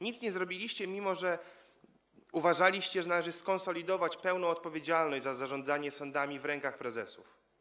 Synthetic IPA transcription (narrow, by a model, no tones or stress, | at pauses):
ɲit̪sɲɛzɾɔbʲilʲiɕt͡ɕɛmʲimɔʐɛ | uvaʐalʲiɕt͡ɕɛʐɛnalɛʐɘskɔnsɔlʲid̪ɔvat͡ɕpɛwnɔ̃ɔt̪̚pɔvʲjed͡ʑalnɔʑd͡ʑʲzazaʐɔnd̪zaɲɛsɔnd̪amʲivɾɛŋkaxpɾɛzɛsuf